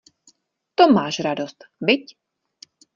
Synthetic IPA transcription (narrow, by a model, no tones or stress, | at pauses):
t̪ɔmaːʒɾad̪ɔst̪bɪc